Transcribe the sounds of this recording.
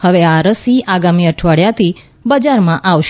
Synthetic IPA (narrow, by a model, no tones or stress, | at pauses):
həʋeaɾəsiaɡamiəʈʰʋaɽjat̪ʰi | bəd͡ʒaɾmãʔaʋʃ